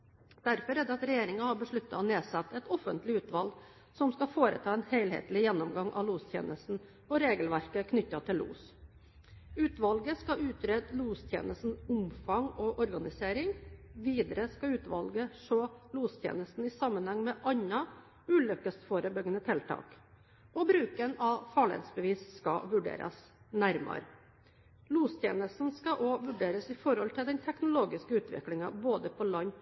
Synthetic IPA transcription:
d̪̥æɾfɔɾæd̪ɛɑt̪ɾɛjeːɾɪŋɑhɑɾbəʂɭʉt̪ːɑ̰ɔneːsɑt̪ːɛt̪ɔfənt̪lɪʉːt̪ʋɑlɡ | sɔmskɑfoːɾə̰t̪ʰɑːɛnheɪlhḛːt̪lɪjɛnːɔmɡɑŋʔɑ̰ʋluːst̪ʰjḛːnʔəst̪n̩ | ɔɾeːɡəlʋæɾkəkʰnʏtːɑt̪ʰɪlːṵːs | ʉːt̪ʋɑlɡəskɑʔʉːt̪ɾɛd̪luːst̪ʰjḛːnəst̪n̩ʊmfɑŋɔʔɔɾɡɑnɪseːɾɪŋʋiːd̪əɾəskɑʉːt̪ʋɑ̰lɡəʂoːluːst̪ʰjḛːnəst̪n̩ɪsɑmːənhɑŋmɛʔɑɲːɑ | ʉːlʏkəst̪foːɾəbʏɡənət̪ʰɪlt̪ʰɑ̰ːk | ʔɔbɾʉːkənɑfɑɭɪḛːt̪sbəʋiːsskɑ̰ʋʉɖḛːɾɑ̰s | næɾmɑ̰ɾ | luːst̪ʰjḛːnəst̪n̩skɑʔoʋʉɖeːɾəsɪfɔɾhɔlt̪ʰɪld̪ɛnt̪ʰɛknʊloːɡɪskəʉːt̪ʋɪ̰klɪŋɑboːd̪əpʰɔlɑɲː

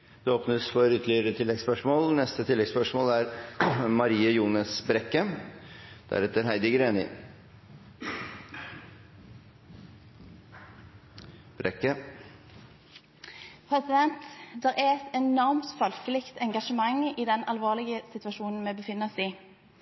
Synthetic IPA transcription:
d̪̥ɛoːpnəsfɔɾʏt̪ʰəlɪəɾət̪ʰɪlːɛɡspœʂmoːlnɛst̪ət̪ʰɪlːɛɡspœʂmoːlæɾmɑɾiːəjuːnɑsbɾɛkːə | d̪̥æ̰ɾɛt̪ːəɾɦæɪd̪ɪɡəɾeːnɪ̰ | b̥ɾɛkːə | pʰʁɛsɪd̪ɛnt̪d̪ɛʁɛɛt̪ɛnɔʁmt̪fɑlflɪkt̪ɛŋɡɑʂəmɑŋːiːd̪ɛnʔɑlʋoːʁlɪɡəsɪt̪ʉɑʃuːnn̩mɛbəfɪnːəɔsiː

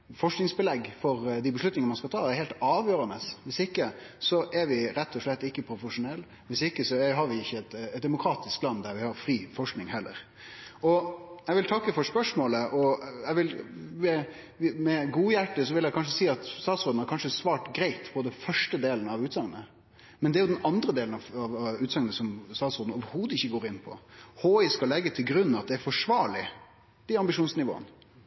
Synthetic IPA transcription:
fɔʂknɪŋsbəlɛɡfɔɾd̪ɪbəʂlʉt̪nɪŋəmɑnskɑlt̪ʰɑːæɾhɛːlt̪ɑːʋjøːɾənəsʋɪsɪkːəsɔʔɛɾʋɪɾɛt̪ʰːɔʂɭɛt̪ːɪkːəpʰɾʊfəʂʊnɛlː | ʋɪsɪkːəsɔɛɦɑɾʋɪɪçːəɛt̪ɛt̪̚d̪ɛmʊkʰɾɑːt̪ɪsklɑnːd̪æɾʋɪhɑɾfɾiːfɔʂknɪŋhɛlːə̰ɾ | ɔɛɪʋɪlt̪ʰɑkːəfɔɾspœʂmoːləʔɔɛɡʋɪlmɛ | mɛɡuːjæʈːəsɔʋɪljæɪkʰɑnʂ̬əsiːɑt̪st̪ɑːt̪sɾoːd̪n̩hɑɾkɑnʂəsʋɑːʈɡɾæɪt̪pʰɔd̪ɛnfœʂʈəd̪eːlənɑʋʉːt̪sɑŋənə | mɛnd̪ɛæɾjʊd̪ɛnɑnd̪ɾəd̪eːlən̩ɑʋɑʋʉːt̪sɑŋənəsɔmst̪ɑːt̪soːd̪n̩ɔʋəɾhuːd̪əɪçːəɡoːɾɪnːpʰɔ̰hoːɪskɑlɛɡːət̪ʰɪlɡɾʉn̩ːɑt̪̚d̪ɛæɾfɔʂʋɑːɭɪ | d̪̥æɑmbɪʂuːnsnɪʋo̰ːə̰n

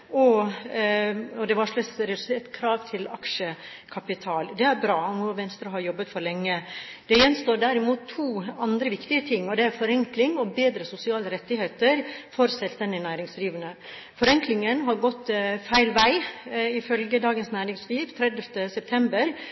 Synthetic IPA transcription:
ɔ | ɔd̪ɛʋɑʂɭɑsɾɛd̪ʉseːʈ̪kʰɾɑːʋt̪ʰɪlɑkʂəkʰɑpɪt̪ʰɑːld̪ɛæɾbɾɑːɔnuːʋɛnst̪ɾɑɦɑɾjɔbːət̪fɔɾlɛŋːəd̪ɛjɛnst̪oːɖæɾɪmuːt̪ʰːuːɑnd̪ɾəʋɪkt̪ɪət̪ʰɪŋːɔd̪ɛæɾfɔɾɛŋklɪŋɔbeːd̪ɾəsʊsɪɑːləɾɛt̪ːɪheːt̪əɾfɔɾsɛlst̪ɛnd̪ɪnæːɾɪŋsliːʋənə | fɔɾɛŋklɪŋənɦɑɾɡɔt̪ːfæɪlʋæɪɪfœlɡəd̪ɑːɡənsnæːɾɪŋsliːʋt̪ʰɾɛd̪əft̪əsɛp̚t̪ʰɛmbəɾ

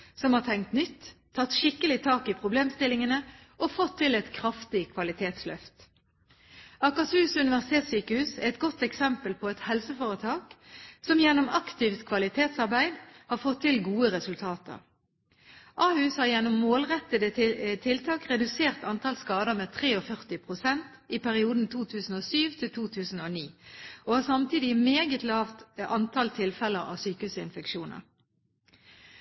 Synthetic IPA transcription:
sɔmhɑːʁt̪ʰɛŋkt̪nʏt̪ʰː | ɑt̪ːʃɪkːəlɪt̪ʰɑːkipʰʁʊbleːmst̪ɪlɪŋənə | ʔofɔt̪ʰːɪlɛt̪kʰʁɑft̪ɪkʰʋɑlɪt̪ʰeːt̪slœ̰ft̪ | ɑkɑsʉːsʉnɪʋæʁsɪt̪ʰeːt̪syːkəhʉːsæɛt̪ɡɔt̪ːɛksɛmpəlpʰɔɛt̪hɛlsəfoːʁət̪ʰɑːksɔmjɛnːɔmɑkt̪ɪft̪kʰʋɑlɪt̪ʰeːt̪sɑʁbæɪd̪hɑːʁfɔt̪ʰːɪlɡuːəʁɛsʉlt̪ʰɑːt̪ə̰ʁ | ʔɑːhʉːshɑːʁjɛnːɔmːoːlʁɛt̪ːəd̪ət̪ʰɪlt̪ʰɑːkʁɛd̪ʉseːʁt̪ɑnt̪ʰɑlskɑːd̪əʁmeːt̪ʰʁeːɔfœʁt̪ɪpʰʁʊsɛnt̪ | ɪpʰæʁɪuːd̪n̩t̪ʰuːt̪ʰʉːsn̩oːsyːʋt̪ʰɪlt̪ʰuːt̪ʰʉːsn̩oːniːʔoːhɑːsɑmt̪iːd̪ɪmeːɡət̪lɑːʋt̪ʔɑnt̪ʰɑlt̪ʰɪlfɛləʁɑ̰ːʋsyːkəʉːsɪnfɛkʃuːnə̰ʁ

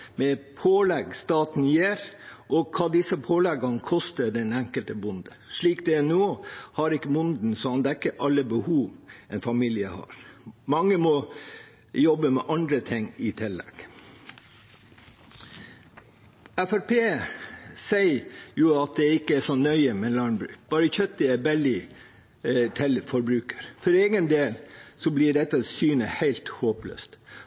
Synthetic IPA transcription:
mɛpʰoːlɛɡst̪ɑːt̪n̩jeːɾʔɔkʰɑːd̪ɪsəpʰoːlɛɡɑnkʰɔst̪əɖɛnæŋkəlt̪əbʊnd̪əʂɭiːk̚d̪ɛnoːhɑɾɪkːəmʊnd̪n̩sɔɑnd̪ɛkːəʔɑlːəbəhuːʋɛnfɑmiːlɪəhɑ̰ːɾmɑŋːəmɔ | jɔbəmɛ̰ʔɑnd̪ɾət̪ʰɪŋɪt̪ʰɪlːɛ̰ɡ̥ | æfæɾpʰeː | sæɪjʊɑt̪̚d̪ɛɪkːəæʂɔnːœʏəmɛnlɑɳbɾʉ̰ːbɑːɾəçœt̪ːəɛbɛld̪ɪ | t̪ʰɪlfɔɾbɾʉːkə̥ɾfɔɾeːɡənd̪eːlsɔblɪɖɛt̪ːsyːnəhæɪlt̪hoːplø̰ːst̪

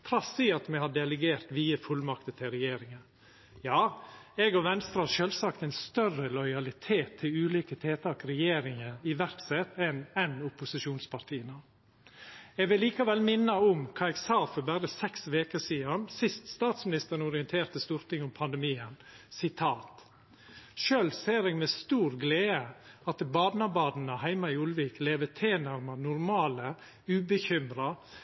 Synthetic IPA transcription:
t̪ʰɾɑsiːɑt̪mɛhɑɖɛləɡeːɾt̪ʋiːəfʉlmɑkt̪ət̪ʰɪɾɛjeːɾɪŋə | jɑːɛɡɔʋɛnst̪ɾəhɑɾʃøːlsɑkt̪ɛɪnst̪œrəlɔʏɑlɪt̪ʰeːt̪ʰːɪlʉːliːkət̪ʰeːt̪ʰɑːkɾɛjeːɾɪŋəɾɪʋæɾksɛt̪ɛnɛnʊpʊsɪʂuːnspʰɑɾt̪ʰiːənə | ɛɡʋɪlːiːkɑʋɛlmɪnːəʊmkʰɑːɛɡsɑːfɔɾbæɾəsɛksʋeːkəsiːɑnsɪst̪st̪ɑːt̪smɪnɪst̪əɾənʊɾɪənt̪ʰeːɾt̪əst̪uːɾt̪ɪŋːʊmpʰɑnd̪ɛmiːən | sɪt̪ʰɑːt̪ | ʃøːlseːɾɛːɡmɛst̪uːɾɡleːəɑt̪bɑːd̪nɑbɑːd̪n̩əhæɪmɑɪʊlʋiːkleːʋət̪ʰeːnæɾmɑnʊɾmɑːlə | ʉːbəçʏmɾɑ

